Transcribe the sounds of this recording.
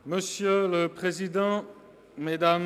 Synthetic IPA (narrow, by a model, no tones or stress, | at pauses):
məsjøləpχezid̪ɑ̃ | med̪am